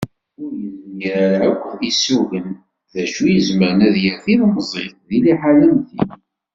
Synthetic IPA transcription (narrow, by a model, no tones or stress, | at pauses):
ʊɾjəzmjəɾæɾʕækʷːisuɣən | ðæʃujəzməɾnæðjəθiðməzˤḭθðiliħalənθḭn